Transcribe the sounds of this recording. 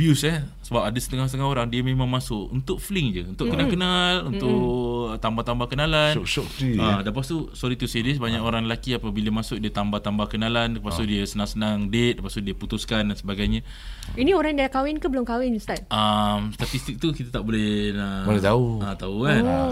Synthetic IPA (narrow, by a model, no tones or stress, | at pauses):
vjusəsəbap̚adəsət̪əŋahsət̪əŋaɦoɾaŋdiəmẽmãŋmasʊʔṵnt̪ʊʔ̚fliŋd͡ʒəunt̪ʊʔkənakənalunʊʔt̪ambaht̪ambakənalanot̪iadapast̪usɔɾit̪usedɪs̬baɲakoɾaŋlakiapabiləmasʊk̚diət̪ambaht̪ambahkənalankəpasudiəsənaŋsənaŋdet̪̚ləpasudiəput̪uskandansəbaɡajɲa | inioɾaŋdaakawɪnkabəlʊmkawɪnst̪at̪̚ʔamst̪at̪ist̪ɪk̚t̪ukit̪at̪aʔbolɛhnabolɛt̪auat̪aukan